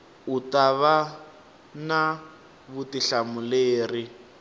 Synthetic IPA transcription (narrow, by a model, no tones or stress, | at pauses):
utaβa | na | βutiɬamuleːri